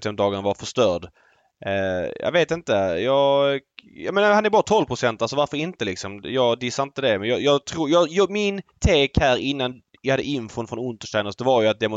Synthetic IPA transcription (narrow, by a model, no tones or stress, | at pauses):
sɛmd̪ɑːɡanavaɾfœʂt̪œːɖ | jɑ̰veːt̪ɪnt̪əjɑː | jɑ̰ːmɛnhanɛɾbɑːɾat̪ʰɔlvpʰɾʊsɛnt̪alsɔvaɾfœɾɪnt̪əlɪksɔmjɑːɡd̪ɪsaɾɪnt̪əd̪ɛmɛnjɑjɑːɡt̪ʰɾuːjɑːjmɪnt̪ʰeːkhæːɾɪnːan | jjhad̪ːəʔɪnfʊnfɾɔnɵnt̪əʂʈ̪aɪnɔsd̪ɛvaɾjɵat̪̚d̪ɛm